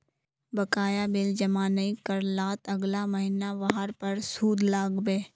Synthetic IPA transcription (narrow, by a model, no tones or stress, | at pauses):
bɐkaːjabɪld͡ʒɐmaːnəikəɾlaːt̪ɐɡlamɐɦɪnaʋaɦəɾpɐɾsuːd̪ʱlaːɡbeː